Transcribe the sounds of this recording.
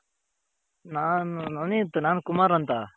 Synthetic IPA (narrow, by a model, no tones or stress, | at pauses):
nannɐnit̪naːnkumaɾɐnt̪a